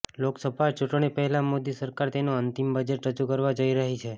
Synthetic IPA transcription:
loksəbʱat͡ʃuʈɳ̃ipəɦɛlamod̪isəɾkaɾt̪enoənt̪imbəd͡ʒeʈɾəd͡ʒukəɾʋad͡ʒoiɾəɦit͡ʃʰe

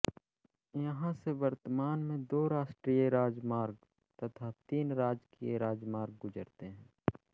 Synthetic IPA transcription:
jɐɦãseʋɐɾt̪əmaːnmẽd̪oːɾaːʃʈɾiːjeɾaːd͡ʒmaːɾɡ | t̪ɐt̪ʰat̪iːnɾaːd͡ʒkieɾaːd͡ʒmaːɾɡ̚ɡʊd͡ʒəɾt̪eɦɛ̃ː

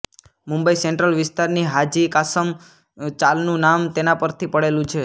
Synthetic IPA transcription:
mũmbəiseɳʈɾəlʋɪst̪aɾniɦad͡ʒikasəm | t͡ʃalnũnamt̪enapəɾt̪ʰipəɽelũt͡ʃʰe

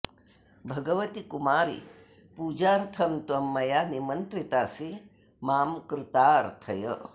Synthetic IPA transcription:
bʱɐɡɐʋɐt̪ikumaːɾḭ | puːd͡ʒaːɾt̪ʰɐmt̪wɐmːɐjaːnimɐnt̪ɾit̪aːsi | maːmkɾɪt̪aːɐɾt̪ʰɐjɐ̰

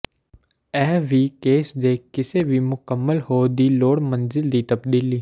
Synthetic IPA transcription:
ɛːʋikeːsd̪eːkɪsebʱimʊkəmːəlhoːd̪iːloːɽmə̃nzɪld̪iːt̪ɐbd̪iːliː

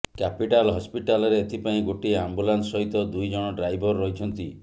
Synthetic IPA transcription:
kapiʈalɦɔspiʈalɔɾeːt̪ʰipaĩɡoʈiambulanssɔɦit̪ɔd̪ujd͡ʒɔɽ̃ɔɖɾajbʱɔɾːɔɦit͡ʃʰɔnt̪i

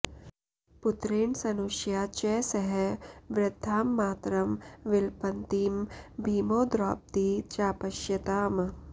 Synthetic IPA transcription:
pʊt̪ɾeːɳsɐnuʃjaːt͡ʃɛːsɐɦɛʋɾɪd̪ʱːaːmːaːt̪ɾɐmʋɪlpɐnt̪iːmbʱiːmoːd̪ɾaːp̚t̪iːt͡ʃaːpɐʃjɐt̪aːm

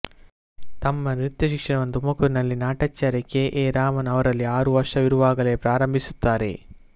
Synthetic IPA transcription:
t̪ɐmːɐnɾit̪jɐʃikʂɐɳɐʋɐnd̪umɐkuɾinɐlːinaːʈɐt͡ʃːaːɾjɐkːeʔeːɾaːmɐnɐʋɐɾɐlːiaːɾuʋɐɾʂɐʋiɾuʋaːɡɐle̞ːpɾaːɾɐmbʱisu̥t̪ːaːɾe̞̰

